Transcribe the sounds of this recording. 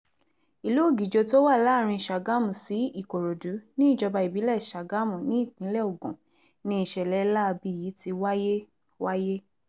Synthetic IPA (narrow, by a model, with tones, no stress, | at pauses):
i˨lo˨˦˨ɡi˨d͡ʒo˧to˦wa˦˨la˦˨ɾ̃ĩ˧˨ʃa˨ɡa˦mũ˨si˨˦i˦˨ko˨ɾo˨du˨˦nĩ˦i˦˨d͡ʒɔ˧ba˧i˨bi˨˦lɛ˦˨ʃa˨ɡa˦mũ˨nĩ˨˦˨kĩ˨˦lɛ˦˨o˨ɡũ˨ | nĩ˦i˧˨ʃɛ˨lɛ˨˦la˦˧bi˧˦˨ji˨˦ti˧wa˦je˦ | wa˦je˦